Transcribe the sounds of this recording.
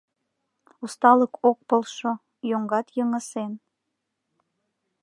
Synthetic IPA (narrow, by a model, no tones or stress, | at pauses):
ust̪ɑləkʰok̚pəlʃo | joŋɡɑt̪jəŋəsen